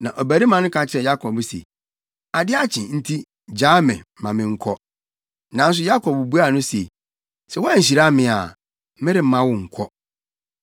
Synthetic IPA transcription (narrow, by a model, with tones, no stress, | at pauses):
nã˨ʔɔ˨bæ˨ɾi˦mã˨nʊ̃˦kʰã˦t͡ɕʰɪ˦ɾɛ˨ja˦kʰɔ˨bsḛ˨ | a˨dɪ˦a˦t͡ɕʰɪ̰̃˨n̩˦tʰi˦ | d͡ʑaː˦mɪ̰̃˨˦mã˨mɪ̃˨ŋ̩˦kʰɔ˦ | nã˨n̩˦s̬ʊ˦ja˦kʰɔ˨bbu˦a˦˨nʊ̃˦se˨ | sɛ˦wɔ˦a˦˨ɲ̩˨ɕ̬i˨ɾa˦mɪ̃˨a̰˨ | mɪ̃˦ɾɪ˨m̩˦mã˦wʊ˦ŋ̩˨kʰɔ˦